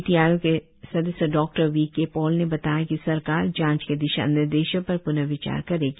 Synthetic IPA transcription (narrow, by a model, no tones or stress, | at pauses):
t̪ijaːjõke | sɐd̪əsəɖɔːk̚ʈəɾʋiːkːepɔːlnebɐt̪aːjakisɐɾkaːɾd͡ʒãːt͡ʃked̪ɪʃa̰nɪɾd̪eːʃəpɐɾpʊnəʋɪt͡ʃa̰ːɾkɐɾeːɡi